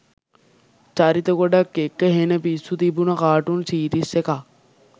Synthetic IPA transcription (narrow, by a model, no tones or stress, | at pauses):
t͡ʃaːɾit̪ɐkoɖɐkːekːəɦenɐpisut̪ibunakaːʈunsiːɾiseka